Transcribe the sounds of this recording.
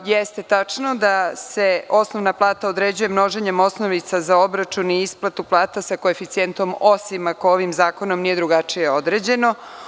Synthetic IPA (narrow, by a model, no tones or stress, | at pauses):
jest̪e̞t̪at͡ʂno̞d̪ase̞o̞snoʋnaplˠaːt̪aod̪ɾed͡ʑuje̞mno̞ʒeɲe̞mo̞snoʋit̪sazao̞bɾat͡ʃuniisplˠat̪uplˠaːt̪asako̞efit̪sient̪o̞mo̞simakooʋimzaːko̞no̞mnije̞d̪ɾuɡat͡ʂijeo̞d̪ɾeːd͡ʑe̞no̞